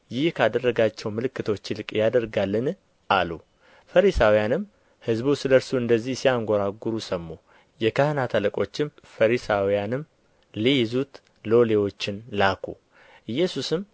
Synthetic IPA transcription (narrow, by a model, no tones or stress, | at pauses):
jɪhkʰad̪ərːəɡat͡ʃːɛwmɨlɨkːɨt̪ʰwot͡ʃːɪlɨkʼjad̪əɾɡalːɨn | ʔalu | fəɾisawijanɨm | hɨzbusɨləɾsuɨnd̪əzːihsijaŋɡʷoɾaɡuɾusəmːu | jɛkʰəhɨnat̪ʰələkʼo̞t͡ʃːɪm | fəɾisawijanɨm | lejzut̪ | lo̞lewo̞t͡ʃːɪnlakʰṵ | ɨjːɛsusɨm